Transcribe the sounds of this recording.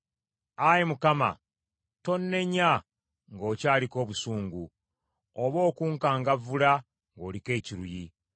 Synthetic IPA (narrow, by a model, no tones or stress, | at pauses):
ajemukama̰ | to̞nːe̞ɲːa | ŋɡo̞ːcaːliko̞ːβusuːŋɡu | oβo̞ːkuːŋkaːŋɡavula | ŋɡo̞ːlike̞ːciɾuji